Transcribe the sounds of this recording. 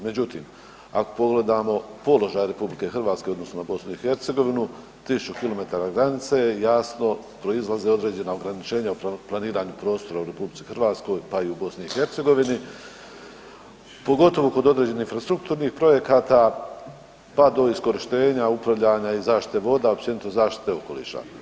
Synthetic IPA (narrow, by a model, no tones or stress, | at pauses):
me̞d͡ʑut̪ḭːm | a̰ko̥po̞ɡle̞d̪aːmo̞po̞lo̞ʒaːjɾe̞publike̞xr̩ʋaːt̪ske̞od̪no̞snonabo̞snuixe̞ɾt̪seɡo̞ʋinu | t̪isut͡ʃukilo̞me̞t̪aːɾaɡɾanit̪sejasno̞ | pɾo̞izlˠaze̞o̞d̪ɾe̞ːd͡ʑe̞naoɡɾanit͡ʃe̞ːɲauplˠaniːɾaːɲupɾo̞ːst̪o̞ɾauɾe̞publitsi̥xəɾʋaːt̪sko̞jpaiubo̞sniixe̞ɾt̪seɡo̞ʋini | po̞ɡo̞t̪o̞ʋoko̞d̪o̞d̪ɾe̞d͡ʑe̞nihin̩fɾast̪ɾuk̚t̪uːɾniːxpɾo̞je̞kaːt̪a | pad̪o̞isko̞ɾiʃt̪e̞ːɲaupɾaʋʎaɲaizaːʃt̪i̥t̪eʋo̞d̪aop̚t͡ɕe̞nit̪ozaːʃt̪i̥t̪e̞o̞ko̞lḭːʃa̰